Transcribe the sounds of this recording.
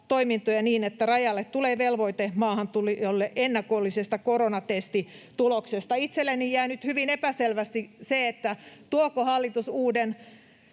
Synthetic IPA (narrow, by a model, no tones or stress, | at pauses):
t̪oimint̪ojɑniːnet̪ːærɑjɑlːet̪t̪uleːʋelʋoit̪emɑːhɑnt̪ulijolːeʔenːɑkolːisest̪ɑkoronɑt̪est̪it̪uloksest̪ɑit̪selːenːijjæinyt̪hyʋinepæselʋæst̪iseet̪ːæt̪uokohɑlːit̪usuːden